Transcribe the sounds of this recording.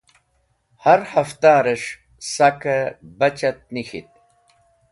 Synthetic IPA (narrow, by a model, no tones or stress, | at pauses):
hɐɾhɐft̪aːɾeʂ | sɐkɐbɐt͡ɕɐt̪̚nixḭt̪̚